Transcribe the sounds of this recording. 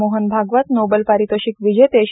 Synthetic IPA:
oɦənbʱaɡʋat̪nobəlpaɾit̪əɕikʋid͡ʑet̪eɕ

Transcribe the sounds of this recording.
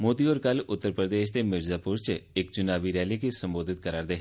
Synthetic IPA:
moːd̪iɔːɾkɐlʊt̪ːəɾpɾəd̪eːʃt̪emɪɾzaːpʊɾt͡ʃekt͡ʃʊnaːʋiɾɛːlikisɐ̃mboːd̪ʱɪt̪̚kəɾaːɾd̪eɦ

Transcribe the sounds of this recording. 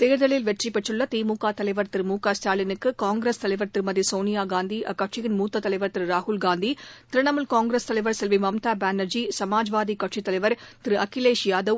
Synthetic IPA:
t̪eːɾðɐɭɪlʋɛʈripːɛʈrɯɭːɐt̪iːmuːkaːt̪ɐlɐɪʋɐɾt̪ɪɾɯmuːkaːst̪aːlɪnɯkːɯkaːŋɡɾest̪ɐlɐɪʋɐɾt̪ɪɾmɐðisoːnɪjaːɡaːnd̪iʔɐkːɐʈʂɪɣɪnmuːt̪ːɐt̪ːɐlɐɪʋɐɾt̪ɪɾɯɾaːhʊlɡaːnd̪it̪ɪɾɯɳɐmɯlkaːŋɡɾeːst̪ɐlɐɪʋɐɾsɛlʋimɐmt̪aːbaːnɐɾd͡ʒisɐmaːd͡ʒʋaːd̪ikɐʈʂit̪ːɐlɐɪʋɐɾt̪ɪɾɯʔɐkːɪleːʂɪjaːd̪ɐʋ

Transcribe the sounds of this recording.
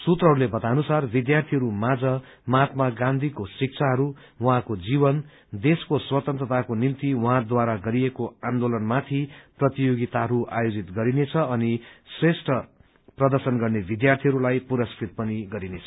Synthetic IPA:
sut̪rʌɦɾulebʌt̪anusarbid̪jart̪ʰiɦʌɾumad͡zʌ | mat̪maɡãnd̪ʱikosik̚t͡sʰaɦʌɾu | wʌɦãkod͡zibʌn | d̪eskoswʌt̪ʌnt̪rʌt̪akonimt̪iwʌɦãd̪waɾaɡʌɾiekoãnd̪olʌnmat̪ʰiprʌt̪ijoɡit̪aɦʌɾuʔa̰jod͡zit̪ɡʌɾinet͡sʰʌʌnisresʈʌ | prʌd̪ʌrsʌnɡʌrnebid̪jart̪ʰiɦʌɾulajpuɾʌskɾit̪̚pʌniɡʌɾinet͡sʰʌ

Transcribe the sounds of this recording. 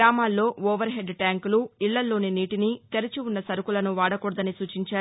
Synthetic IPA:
aːmaːlːo̞ːoːʋɐɾɦe̞ɖʈaːŋkuluiɭːɐlːo̞ːneniːʈinit̪eɾɐt͡ʃiunːɐsɐɾukulɐnuʋaːɽɐkɔɽɐd̪ɐnisuːt͡ʃiɲt͡ʃaː

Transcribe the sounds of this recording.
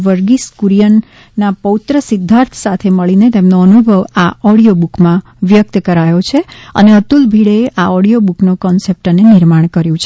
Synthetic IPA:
ʋəɾɡiskuɾijənː | apəut̪ɾəsɪd̪ʱːaɾt̪ʰsat̪ʰeməɭinet̪emnoənubʱəʋaɔɽijobukmã | ʋjək̚t̪əkəɾajot͡ʃʰeə̰neət̪ulbʱiɽeʔaɔɽijobuknokɔnsep̚ʈənenɪɾmaɳ̃kəɾjũt͡ʃʰe

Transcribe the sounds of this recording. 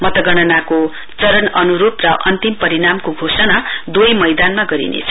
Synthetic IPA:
mʌt̪ʌɡʌɽ̃ʌnako | t͡sʌɾʌnʌnuɾuprʌʔʌnt̪impʌɾinamkoɡʱosʌnad̪ujmʌjd̪anmaɡʌɾḭnḛt͡sʰʌ

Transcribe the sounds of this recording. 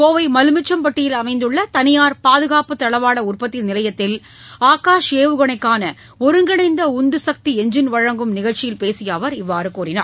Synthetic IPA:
koːʋɐɪmɐlɯmɪt͡ʃːɐmpɐʈːɪjɪlɐmɐɪnd̪ɯɭːɐt̪ɐnɪjaːɾpaːðɯɣaːpɯt̪ːɐɭɐʋaːɽɐʊrpɐt̪ːɪnɪlɐjɐt̪ːɪl | aːkaːʂeːʋɯɣɐɳɐɪkːaːnɐ | ɔɾɯŋɡɪɳɐɪnd̪ɐʊnd̪ɯsɐk̚t̪iɛɲd͡ʒɪnʋɐɻɐŋɡɯmnɪɣɐɻt͡ʃɪjɪlpeːsɪjaːʋɐɾɪʋːaːɾɯkuːɾɪna̰ːɾ

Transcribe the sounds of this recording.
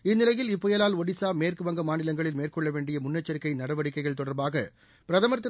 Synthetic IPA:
ɪnːɪlɐjɪlɪpːɔjɐlaːlɔɽɪsaːmeːrkɯʋɐŋɡɐmaːnɪlɐŋɡɐɭɪlmeːrkɔɭːɐʋeːɳɖɪjɐmʊnːɐt͡ʃːɐɾɪkːɐɪnɐɽɐʋɐɽɪkːɐɪɣɐɭt̪ɔɽɐɾbaːɣɐ | pɪɾɐðɐmɐɾt̪ːɪ

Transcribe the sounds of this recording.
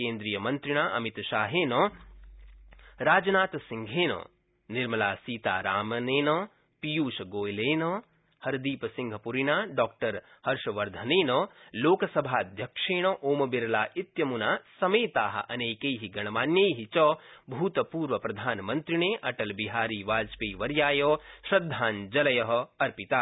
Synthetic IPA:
keːnd̪ɾiːjɐmɐnt̪ɾiɳaːʔɐmit̪ʃaːɦeːnoː | ɾaːd͡ʒɐnaːt̪ɐsiŋɡʱeːno̰ː | niɾmɐlaːsiːt̪aːɾaːmɐneːnɐ | pijuːʃɐɡoːjleːno | hɐɾd̪iːpɐsĩŋɡʱɐpuɾiɳaːɖɔːk̚ʈɐɾ | hɐɾʃɐʋɐɾd̪ʱɐneːnɐːloːkɐsɐbʱaːd̪ʱjɐkʂeːɳ̃ɐʔoːmɐbiɾɐlaːit̪jɐmunaːsɐmeːt̪aːɦɐ̰̆ʔɐneːkejɦiɡɐɳ̃ɐmaːnjɐjɦit͡ʃɐbʱuːt̪ɐpuːɾʋɐpɾɐd̪ʱaːnmɐnt̪ɾiɳeːʔɐʈɐlbiɦaːɾiːʋaːd͡ʒpeːʋɐɾjaːjoːʃɾɐd̪ʱːaːnd͡ʒɐlɐjɐɦɐ̆ɐɾpit̪aː

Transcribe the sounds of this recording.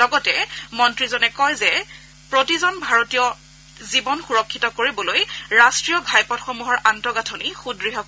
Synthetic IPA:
lɔɡɔtɛmɔntɹizɔnɛkɔjzɛ | pɹotizɔnbʱaɹotijɔ | zibɔnxuɹɔkʰːitɔkoɹibɔlojɹastɹiɔɡʱajpɔtxomuɦɔɹʔantɔɡatʰonixudɹiɦɔk

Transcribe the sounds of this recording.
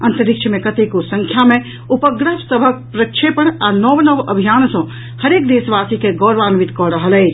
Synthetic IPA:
ə̃nt̪əɾikt͡ʃʰəmẽkət̪ekosə̃ŋkʰjamẽ | upəɡɾətsəbʱək̚pɾəkʃʰepəɳ̃anɔʋnəʋəbʱijaːnsɔ̃ | həɾek̚d̪eːsʋasikeɡɔɾʋaːnʋit̪kɔɾəɦəlɛːt͡ʃ

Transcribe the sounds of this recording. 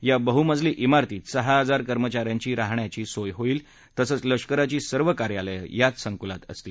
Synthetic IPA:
jabəɦuməd͡zliːʔimaɾt̪iːt̪səɦaəd͡zaɾkəɾmət͡ɕaɾjãɲt͡ɕiːɾaɦɳjat͡ɕiːsojɦoiːl | t̪əsəːt͡sləʂkəɾat͡ɕiːsəɾʋəkaɾjaləjjat͡ssəŋkulat̪ə̰st̪iː

